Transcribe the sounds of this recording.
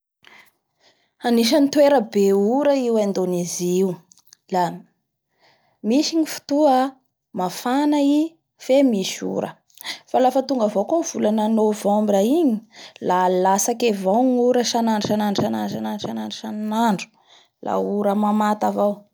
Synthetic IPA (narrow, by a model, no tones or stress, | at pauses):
aniʃ̬ənit̪weɾəbeuɾəiwand̪oneziu | la | miʃiɲifu̥t̪ua | mafanai | femiʃṵɾə̰ | falafət̪uŋɡavowkonv̥ulananovowambiɾaiɲi̥lalasakevawŋuɾəʃanaɳɖ͡ʐʃanaɳɖ͡ʐʃananananʃananɖ͡ʐuʃannaɳɖ͡ʐu̥ | lʔa̰uɾəmamat̪avaw